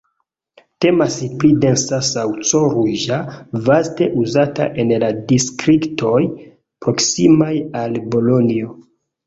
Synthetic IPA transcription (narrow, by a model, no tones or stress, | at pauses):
te̞masplide̞nsasawt͡soɾuʒavaste̞ʔuzata̰ʔe̞nladistɾikto̞j | pɾo̞ksimajalbo̞lo̞nio̞